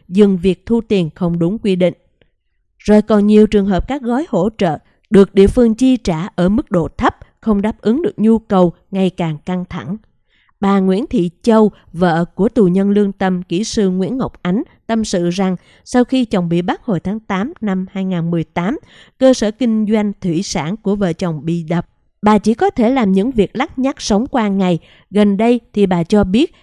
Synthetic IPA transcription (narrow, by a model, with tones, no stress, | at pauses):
zɨ˨˩ŋvi˨˩ək̚t̪ʰu˧t̪i˨˩ənxə˧wŋ͡mɗʊ˨˦ŋ͡mkwi˧ɗḭ̈˧˨ŋ̟ | zo˨˩jkɔ˨˩nɲi˨˩əwt͡ɕɨ˨˩əŋɦəː˨˩p̚kaː˦˥k̚ɣɔ˨˦jho̰˧˥t͡ɕə̰ː˧˨ | ɗɨ˨˩ək̚ɗḭ˧˨əfɨ˧əŋt͡ɕi˧t͡ɕaː˧˩ʔəː˧˩mɨ˦˥k̚ɗo̰˧˨t̪ʰə˦˥p̚xə˧wŋ͡mɗaː˦˥p̚ʔɨ˨˦ŋɗɨ˨˩ək̚ɲu˧kə˨˩w | ŋa˨˩jkaː˨˩ŋka˧ŋt̪ʰa˧˩ŋ | ɓaː˨˩ŋwḭ˧˥ənt̪ʰḭ˧˨t͡ɕə˧w | və̰ː˧˨ku˧˩ət̪u˨˩ɲə˧nlɨ˧əŋt̪ə˧mkḭ˧˩sɨ˧ŋwḭ˧˥nŋə˨˩wk͡p̚ʔa˨˦jŋ̟ | t̪ə˧msɨ̰˧˨za˨˩ŋ | sa˧wxi˧t͡ɕɔ˨˩wŋ͡mɓḭ˧˨ɓa˦˥k̚ho˨˩jt̪ʰaː˨˦ŋt̪aː˨˦mna˧mhaː˧jŋaː˨˩nmɨ˨˩əjt̪aː˨˦m | kəː˧səː˧˩kï˧ŋ̟zwa˧jŋ̟t̪ʰwḭ˧˨sa̰ː˧˩nku˧˩əvə̰ː˧˨t͡ɕɔ˨˩wŋ͡mɓḭ˧˨ɗə˨˩p̚ | ɓaː˨˩t͡ɕi˧˩kɔ˨˦t̪ʰe˧˩laː˨˩mɲɨ̰˧˥ŋvi˨˩ək̚la˦˥t̚ɲa˦˥t̚sə˨˦wŋ͡mkwaː˧ŋa˨˩j | ɣə˨˩nɗə˧jt̪ʰi˨˩ɓaː˨˩t͡ɕɔ˧ɓi˦˥ət̚